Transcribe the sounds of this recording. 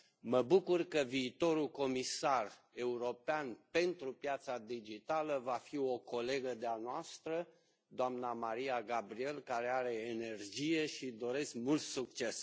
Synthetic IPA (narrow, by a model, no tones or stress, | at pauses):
məbukurkəviːt̪o̞ɾuko̞misar | e̞uɾo̞peanpe̞nt̪ɾupjat̪sad̪id͡ʒit̪aləvafio̞ko̞le̞ɡəd̪eanoast̪ɾə | d̪oamnamaɾiaɡabɾie̞lkaɾeaɾe̞ːne̞rd͡ʒije̞ʃid̪o̞ɾe̞skmult̪suk̚t͡ʃe̞s